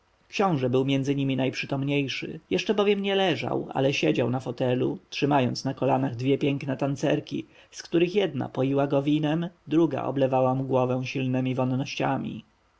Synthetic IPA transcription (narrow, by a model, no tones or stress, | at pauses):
kɕɔ̃w̃ʐɛbɘwmʲjɛnd̪zɘɲimʲinajpʂɘt̪ɔmɲejʂɘ̰jɛʂt͡ʂɛbɔvʲjɛmɲɛlɛʐa̰wa̰lɛɕɛd͡ʑawnafɔt̪ɛlṵtʂɘmajɔnt̪snakɔlanaɣd̪vʲjɛpʲjɛŋknɛt̪ant̪sɛɾkʲḭ | skt̪uɾɘxjɛd̪na̰pɔjiwaɡɔvʲinɛmd̪ɾuɡa̰ʔɔ̰blɛvawamuɡwɔvɛw̃ɕilnɛmʲivɔnːɔɕt͡ɕamʲḭ